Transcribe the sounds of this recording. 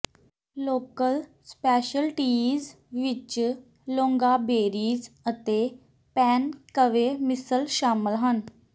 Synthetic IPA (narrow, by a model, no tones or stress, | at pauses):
loːkəlspɛːʃəlʈiːz | ʋɪt͡ʃ | lõːŋɡaːbeːɾiːzət̪eː | pɛːnkəʋeːmɪsəlʃaːmɪəlɦən